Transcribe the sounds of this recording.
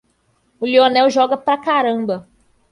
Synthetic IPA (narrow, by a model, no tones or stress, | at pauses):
ʊlionɛwʒɔɡɐpɾɐkaɾɐ̃bɐ